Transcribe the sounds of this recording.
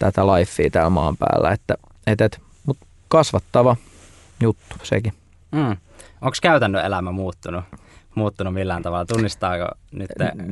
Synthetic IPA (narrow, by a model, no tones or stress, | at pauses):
t̪æt̪ælɑifːiːt̪æːlmɑ̰ːmpæ̰ːlːæ̰et̪ːæ | et̪et̪ | mut̪ | kɑsʋɑt̪ːɑʋɑ | jut̪ːu̥sḛki | m̩ːʔoŋkskæyt̪ænːøelæmæmuːt̪ːunu | muːt̪ːunumilːæːˑnt̪ɑʋɑlːˑɑt̪unːist̪ɑːko̰nyt̪ːḛ